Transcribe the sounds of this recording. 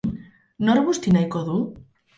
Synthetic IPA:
noɾβust̪inajkoðu

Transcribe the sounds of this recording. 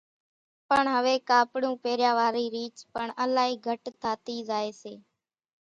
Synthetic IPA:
pəɳɦəʋeːkaːpɽũːpeːɾjaːʋaːɾiːɾiːt͡ʃpəɳəlaːɦiːɡʱəʈt̪ʰaːt̪iːzaːeːseː

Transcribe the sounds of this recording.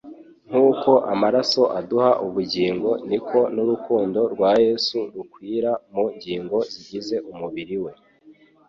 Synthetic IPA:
ŋ̥huːko̞ʔamaɾaso̞ʔaduhaʔuβuɟiːŋɡo̞nikʰo̞nuɾukuːndo̞ɾɡwaːje̞suɾukwiːɾamuɲɟiːŋɡo̞ziɟize̞ʔumuβiɾiwe̞

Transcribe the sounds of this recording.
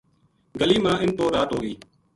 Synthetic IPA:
ɡəliːmãːʔɪnp̪oːɾaːt̪ɦoːɡiː

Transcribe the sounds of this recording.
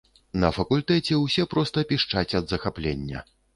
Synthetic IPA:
nɐfɐkulʲt̪ɛt͡sʲɛwsʲɛpɾɔst̪ɐpʲiʂt͡ʂat͡sʲɐd̪zɐxaplʲḛnʲːɐ̰

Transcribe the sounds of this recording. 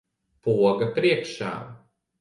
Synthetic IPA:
puɔɡɐpɾiɛkʃa̰ː

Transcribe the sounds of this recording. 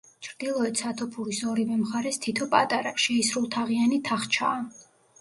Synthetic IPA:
t͡ʃʰɾd̪̥ilˠɔɛt̪sʰat̪ʰɔpʰuɾisɔɾivɛmχaɾɛst̪ʰit̪ʰɔpʼat̪ʼaɾaʃɛisɾulˠt̪ʰaʁianit̪ʰaχt͡ʃʰa̰ː

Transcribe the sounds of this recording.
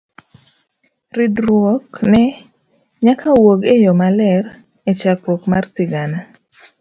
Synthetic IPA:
ridɾwɔknɛ | ɲakʰawoɡejɔmalɛr | et͡ʃakwɔkmarsɪɡana

